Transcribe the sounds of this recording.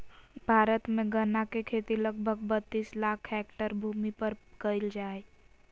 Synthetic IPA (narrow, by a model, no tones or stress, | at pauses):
bʱaːɾət̪mẽɡənakekʰeːt̪iləɡ̚bʱəɡ̚bʱət̪ːiːslaːkʰhɛːk̚ʈəɾbʱuːmipəɾkəɪld͡ʒaːe